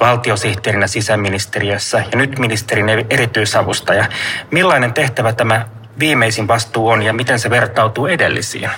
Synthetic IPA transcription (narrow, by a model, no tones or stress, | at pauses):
ʋɑlt̪io̞siht̪eːɾinæsisæmːinist̪eriøsːæjɑnyt̪minist̪eɾineeɾit̪yisɑʋust̪ɑjɑmilːɑine̞nt̪e̞ht̪æʋæt̪æmæ | ʋiːmeisinʋɑst̪uːonjɑmit̪enseʋe̞rt̪ɑwt̪uːe̞delːisḭːn